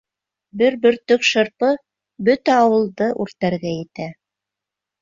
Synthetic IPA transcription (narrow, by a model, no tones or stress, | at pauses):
bɘɾbɵ̆ɾt̪ɵkʃɤ̆ɾpɤ | bɵt̪æɑwɤ̆lˠd̪ɤʔʉɾt̪æɾɡæjɘ̆t̪æ